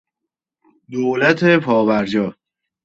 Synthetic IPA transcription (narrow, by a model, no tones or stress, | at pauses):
d̪oːlæt̪ʰepʰɒːbæɾd͡ʒɒː